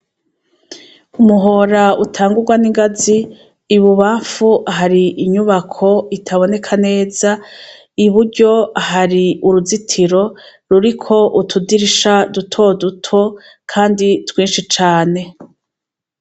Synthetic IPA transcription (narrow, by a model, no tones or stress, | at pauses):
umuɦo̞ɾautʰaːŋɡuɾɡwaniŋɡaziː | βuβaːɱfuʔaɦaɾiʔːɲuβakʰo̞itʰaβo̞ne̞kʰane̞ːza | iβuɾɟo̞ahaɾiuɾuzitʰiɾo̞ | ɾuɾikʰo̞ʔutʰudiɾiʃadutʰo̞dutʰo̞ | kʰaːnditwiːnʃit͡ʃaːne̞